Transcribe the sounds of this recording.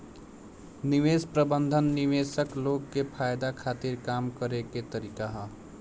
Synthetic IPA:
nɪʋeːspɾəbə̃nd̪ʱənːiʋeːsəkloːɡkepʰaːjd̪akʰaːt̪iɾkaːmkəɾeket̪əɾiːkaɦɛ

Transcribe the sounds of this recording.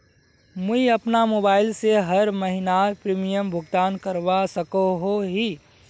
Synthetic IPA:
mʊiɐpnamoːbaːɪlseɦəɾməɦinapɾiːmijəmbʱʊɡt̪aːnkəɾʋasəkoɦoɦiː

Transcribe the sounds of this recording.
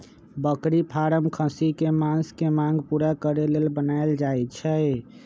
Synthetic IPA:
bəkɾipʰaɾəmkʰə̃sikemanskemãŋɡpuɾakəɾelelbənald͡ʒajt͡ʃʰɛ

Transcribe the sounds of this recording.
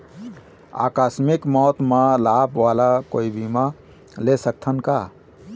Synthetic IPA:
a̰kasmikmɔt̪malabʋalakoibʱimã | lesək̚t̪ʰənka

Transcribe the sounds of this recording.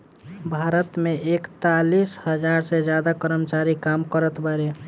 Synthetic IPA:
bʱaːɾət̪mẽʔekt̪alishəd͡ʒaɾsed͡ʒjaːd̪akəɾəmt͡ʃaɾikamkəɾət̪bəɾe

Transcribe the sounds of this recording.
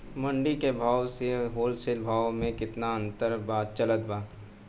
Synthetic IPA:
mɐ̃ɳɖikebʱaːwseɦoːlsɪlbʱaːwmẽkɪt̪naɐ̃nt̪əɾbaːd̪̚t͡ʃɐlət̪̚baːd̪

